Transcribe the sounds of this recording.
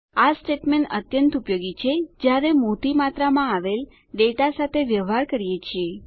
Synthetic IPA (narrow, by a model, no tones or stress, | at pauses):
asʈeʈmeɳət̪jənt̪upjoɡit͡ʃʰed͡ʒjaɾemot̪imat̪ɾamãaʋel | ɖeʈasat̪ʰeʋjəʋaɾkəɾijet͡ʃʰie